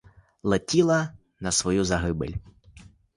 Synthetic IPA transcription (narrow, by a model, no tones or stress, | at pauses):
lˠetʲilˠɐ | nɐsʋɔjuzɐɦɪbḛlʲ